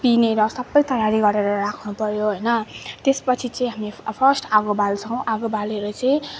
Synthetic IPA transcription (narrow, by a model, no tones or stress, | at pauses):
pineɾʌsʌbʌjt̪ʌjaɾiɡʌɾeɾʌrakʰnupʌɾjoɦʌjnʌt̪espʌt͡sʰit͡sʌĩɦamepʰʌrsʈaɡobalt͡sʰʌw̃ʔaɡobaleɾʌt͡sʌĩ